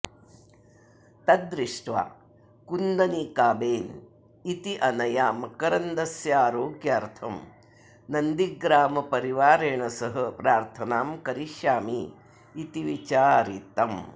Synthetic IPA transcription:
t̪ɐd̪ɾiʂʈʋa̰ː | kund̪ɐnikaːbeːn | it̪iʔɐnɐjaːmɐkɐɾɐnd̪ɐsjaːɾoːɡjaːɾt̪ʰɐm | nɐnd̪iɡɾaːmɐpɐɾiʋaːɾeːɳɐsɐɦɐpɾaːɾt̪ʰɐnaːmkɐɾiʃjaːmiː | t̪iʋit͡ʃaːɾit̪ɐm

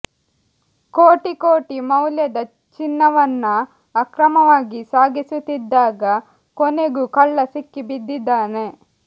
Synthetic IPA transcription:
koːʈikoːʈimɐwljɐd̪ɐ | t͡ʃinːɐʋɐnːɐː | kɾɐmɐʋaːɡisaːɡisut̪ːid̪ːaːɡɐ | koneɡukɐɭːɐsikːibid̪ːid̪ːaːne̞

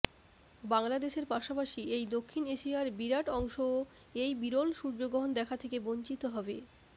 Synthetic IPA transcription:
baŋlad̪eʃeɾpaʃapaʃiejd̪okʰːineʃiaɾbiɾaʈɔŋʃo | ejbiɾolʃuɾd͡ʑoɡɾoɦond̪ɛkʰat̪ʰekeboɲt͡ɕit̪oɦɔbe

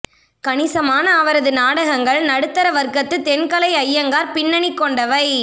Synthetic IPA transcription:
kɐɳɪsɐmaːnɐːʋɐɾɐðɯnaːɽɐɣɐŋɡɐɭnɐɽɯt̪ːɐɾɐʋɐɾkɐt̪ːɯt̪ɛnkɐlɐɪɐjːɐŋɡaːɾpɪɳːɐɳɪkːɔɳɖɐʋɐɪ

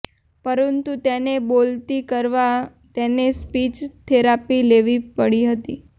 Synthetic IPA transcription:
pəɾənt̪ut̪enebolt̪ikəɾʋa | t̪enespit͡ʃt̪ʰeɾapileʋipəɽiɦət̪ḭ

